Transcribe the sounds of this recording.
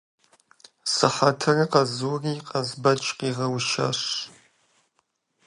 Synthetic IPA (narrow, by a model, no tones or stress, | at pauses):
sɨħatʰɐrɐqɐzuːriːqʼɐzbɐt͡ʃʼqiʁɐwʃa̰ʂʷ